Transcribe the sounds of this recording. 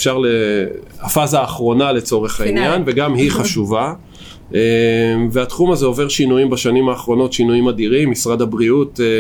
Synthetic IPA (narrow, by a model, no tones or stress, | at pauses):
fʃaʁleafazaːχʁo̞nale̞t͡so̞ʁe̞χainjanve̞ɡamhiχaʃuva | eveatχumazeo̞ve̞ʁʃinujimbaʃanimaːχʁo̞no̞tʃinujimadiʁimːisʁadabʁiut